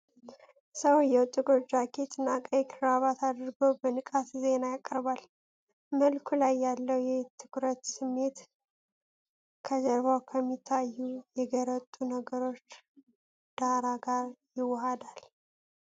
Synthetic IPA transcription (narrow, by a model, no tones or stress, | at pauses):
səwjɛwt̪ʼːuɡʼoɾd͡ʒakʰet̪ɨnakʼəjkʰɨɾaβat̪ʰad̪əɾɡəwbənɨkʼat̪ze̞najakʼːəɾbal | məlkʰulajːalːəwjɛt̪ʰɨkɾət̪sɨmːe̞t̪ | kʰəd͡ʒəɾβawkʰəmːit̪ʰːajːujɛɡəɾət̪ʼːunəɡəɾo̞t͡ʃː | d̪̥aɾaɡaɾjɪwːɔɦad̪al